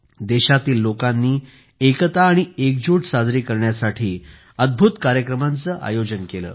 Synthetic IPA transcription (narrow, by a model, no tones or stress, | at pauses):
d̪eɕat̪iːlːokanːiː | ekt̪aːɽ̃iekd͡ʑuʈsad͡zɾiːkəɾɳjasaʈʰiː | əd̪̚bʱut̪kaɾjəkɾəmant͡səːʔa̰jod͡ʑənkelə̰ː